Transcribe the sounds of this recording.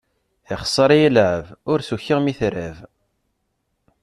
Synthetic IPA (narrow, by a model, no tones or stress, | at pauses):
ɪχə̥sˤːɑɾˤijilʕəvʊɾsuçːiʁmiθɾæv